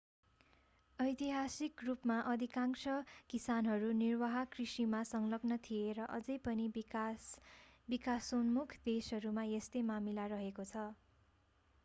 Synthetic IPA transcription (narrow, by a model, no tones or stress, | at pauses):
ʌjt̪iɦasikrupmaʔʌd̪ʱikaŋsʌkisanɦʌɾunirwʌɦʌkrisimasʌŋlʌɡnʌt̪ʰieɾʌʔʌd͡zʌjpʌni | bikasunmukʰd̪esɦʌɾumaest̪ʌjmamilaɾʌɦekot͡sʰʌ